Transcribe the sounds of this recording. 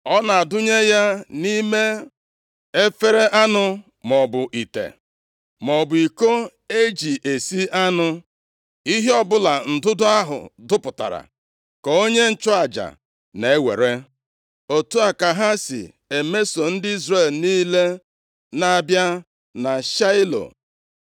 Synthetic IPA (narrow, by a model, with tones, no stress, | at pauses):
ɔ˦na˨a˨dʊ˦ɲe˦ja˦ni˦me˦ | e˦fe˦ɾe˦ʔa˦nʊ˦ | m˨ɔ˨bʊ˨ʔi˨tḛ˨ | mɔ˨bʊ˨i˨ko˦ | e˦d͡ʒi˨ʔe˨si˦ʔa˦nʊ˦ | i˦ɦe˦ɔ˦bʊ˦la˨n̩˨dʊ˦dʊ˦a˦ɦʊ̰˨dʊ˦pʊ˨ta̰˨ɾa̰˨ | kɔ˨o˦ɲe˦n̩˦˨t͡ʃʊ˦a˨d͡ʒa̰˨ | ne˨e˦wḛ˨ɾe˦ | o˨tu˦a˨ka˨ɦa˦sɪ̰˨ | e˨me˦so˨n̩˦dɪ˦i˦zre˨lniː˦le˦ | na˨bja˦ | na˨ʃa˦ɪ˦lo̰˨